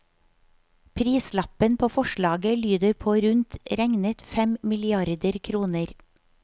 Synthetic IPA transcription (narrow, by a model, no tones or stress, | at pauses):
pʰɾiːslɑpənpʰoːfɔʃɭɑːɡəlyːd̪əɾpʰoːɾʉnt̪ɾæŋnət̪fɛmmɪlɪɑɾd̪əɾkʰɾuːnəɾ